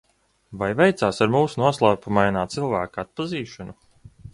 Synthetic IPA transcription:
vajvɛjt̪saːsaɾmuːsunuɔslˠaːpumajnaːt̪silˠvæːkaat̪̚paziːʃɔnu

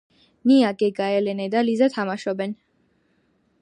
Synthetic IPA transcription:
niaɡɛɡaɛlɛnɛd̪alizat̪ʰamaʃɔbɛn

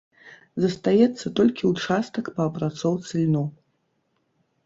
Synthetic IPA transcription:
zɐst̪ajɛt̪sːɐt̪ɔlʲkʲiut͡ʂast̪ɐkpɐːpɾat̪sɔwt̪sɨlʲnu

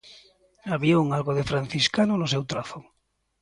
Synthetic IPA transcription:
aβiauŋalɣoðefɾan̟θiskanonos̬ewt̪ɾaθo

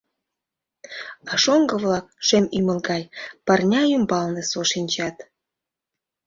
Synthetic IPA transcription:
ɑʃoŋɡə̆βlɑk̚ʃemymə̆lɡɑjpɑrnʲɑymbɑlnĕsoʃinʲt͡ɕɑt̪

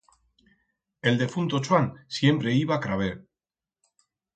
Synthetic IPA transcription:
e̞ld̪e̞funt̪ot͡ʃoansje̞mpɾe̞iβakɾaβ̞e

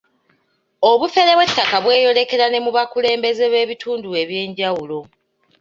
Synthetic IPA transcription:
o̞βufe̞le̞βwetːakaβwe̞ːjo̞le̞ke̞ɾane̞muβakule̞ːmbe̞ze̞βe̞ːβitʰuːndue̞βje̞ːɲɟawulo̞

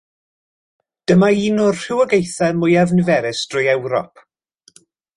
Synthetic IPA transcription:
d̥əmaiːnʊrr̥ɪwəɡejθɛmʊjavnɪvɛɾɪsd̥rʊjɛwɾɔ̰p

